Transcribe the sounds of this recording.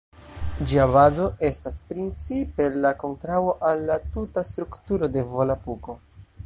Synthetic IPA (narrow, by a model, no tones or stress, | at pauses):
d͡ʒiaβazo̞ʔe̞staspɾint͡sipe̞lako̞ntɾawoʔalːatutastɾuktuɾo̞de̞vo̞lapuko̞